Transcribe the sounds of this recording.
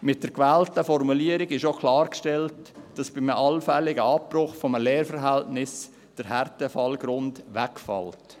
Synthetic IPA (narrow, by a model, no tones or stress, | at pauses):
mɪt̚d̥əɾkʋɛːltəfɔɾmuliəɾɪɡɪʃokʰlɑːɾkʃtɛltd̥ɑsb̥ɪmʔɑlfɛlɪɡəɑprʊχfɔməlɛːɾfəɾɦɛltnɪs | d̥əɾɦɛrtəfɑlɡɾʊndʋɛkfɑ̰lt